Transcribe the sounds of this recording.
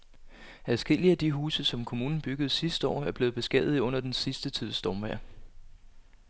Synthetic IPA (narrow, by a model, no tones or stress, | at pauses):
æðˠsɡ̥el̰iæd̥iɦuːsəsɒ̽mkʰo̝muːnn̩b̥yɡ̥ð̞̩ˠsisd̥ɒ̰ːæɐb̥le̝ːð̩ˠb̥e̝sɡ̥ɛ̰ð̰ˠð̩ˠɔ̽n̰ɐd̥ensisd̥ət͡sʰið̞̰ˠsd̥ɒːmʋæɐ̰